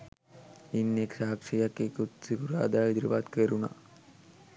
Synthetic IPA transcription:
inːeksaɦakʂijakːekut̪sikuɾa̰ːd̪aːjid̪ɾipat̪keɾuna̰

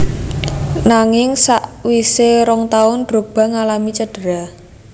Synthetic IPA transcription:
naŋɪŋsaʔwiseɾɔŋt̪aʊnd̥ɾo̤b̥a̤ŋalamit͡ʃəɖ̥əɾa

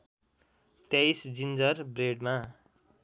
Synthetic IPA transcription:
t̪jajsd͡zind͡zʌrbreɖma

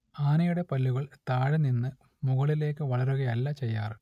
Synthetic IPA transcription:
aːnɐjuɽe̞pɐlːuɣɐɭt̪aːɻɨninːɨ | muɣɐɭile̞ːkːɨʋɐɭɐɾuɣɐjɐlːɐt͡ɕe̞jːaːr

